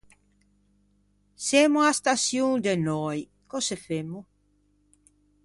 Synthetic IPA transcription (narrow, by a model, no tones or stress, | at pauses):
semoast̪asjuŋd̪enɔj | kosefemo